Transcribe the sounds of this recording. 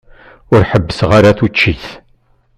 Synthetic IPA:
ʊɾħəbːəsʁaɾaθut͡ʃːiθ

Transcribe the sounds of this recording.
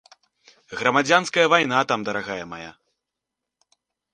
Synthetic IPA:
ɣɾɐmad͡zʲanskɐjɐvajn̪at̪amd̪ɐɾaɣajɐma̰ja̰

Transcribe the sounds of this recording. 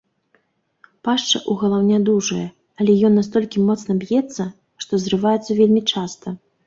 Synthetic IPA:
paʂt͡ʂɐ̰ʔuɣɐlˠawnʲad̪uʐɐjɛ | ɐlʲɛjɔnːast̪ɔlʲkʲimɔt̪snɐbjɛt̪sːɐ | ʂt̪ɔzrɨvajɛt̪sːɐvʲelʲmʲit͡ʂast̪ɐ

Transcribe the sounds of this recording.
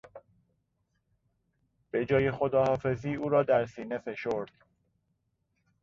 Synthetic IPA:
b̥e̞d͡ʒɒːje̞xod̪ɒːhɒːfe̞ziːuːɾɒːd̪æɾsiːne̞fe̞ʃoɾd̪̥

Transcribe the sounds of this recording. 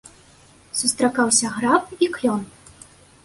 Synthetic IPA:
sust̪ɾakawsʲɐɣɾapikjʲɔn

